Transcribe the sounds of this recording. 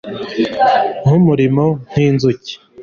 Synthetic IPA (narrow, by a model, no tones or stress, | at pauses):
n̥umuɾimon̥hiːnzuci̥